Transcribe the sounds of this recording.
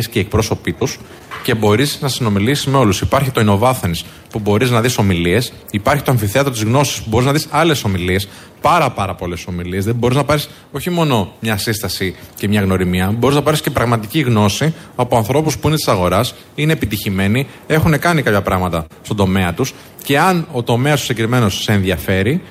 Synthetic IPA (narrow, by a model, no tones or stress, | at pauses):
sceiek̚pɾo̞so̞pit̪us | ce̞bo̞ɾisnɐsino̞milisizme̞o̞lusipɐɾçit̪oino̞vɐθenis | pubo̞ɾiznɐðiso̞milie̞s | ipɐɾçi̥t̪o̞ɐɱfiθe̞ɐt̪ɾot̪̬izɣno̞si̥spubo̞ɾiznɐðisɐle̞so̞milie̞s | pɐɾɐpɐɾɐpo̞le̞so̞milie̞zðebo̞ɾiznɐpɐɾis | o̞çimo̞no̞mɲɐsist̪ɐsicemɲɐɣno̞ɾimiɐbo̞ɾiznɐpɐɾisce̞pɾɐɣmɐt̪iciɣno̞siɐpoɐnθɾo̞puspuinet̪isɐɣo̞ɾɐs | ine̞ːpit̪içime̞ni | e̞xune̞kɐnikɐpçɐpɾɐɣmɐt̪ɐst̪o̞d̪o̞me̞ɐt̪us | ce̞ɐno̞t̪o̞me̞ɐst̪u̥sekɾime̞no̞sːe̞ːnðjɐfe̞ɾi